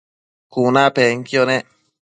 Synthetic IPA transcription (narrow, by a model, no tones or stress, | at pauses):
kunãpeŋkjonẽ